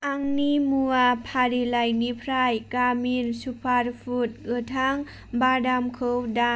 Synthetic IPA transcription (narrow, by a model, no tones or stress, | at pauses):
aŋnimuapʰaɾilajnipʰɾajkaminsupʰaɾpʰut̚ɡɯtʰaŋ | badamkʰɯwda